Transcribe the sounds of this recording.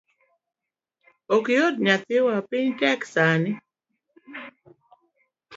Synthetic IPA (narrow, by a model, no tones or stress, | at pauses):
okjod̚ɲat̪ɪwapɪɲtɛksanɪ